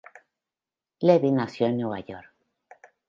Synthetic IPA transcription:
leβinasjoenːweβa̰jo̰ɾk

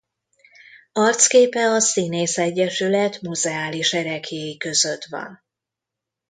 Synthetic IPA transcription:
ɒrt̪skeːpɛɒsineːsɛɟːɛʃylɛt̪muzɛaːliʃɛɾɛkheːjikø̞zø̞t̪ʋɒ̰n

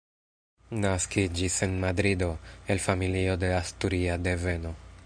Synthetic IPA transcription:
naskid͡ʒise̞nmadɾido̞e̞lfamilio̞de̞astuɾiade̞ve̞no̞

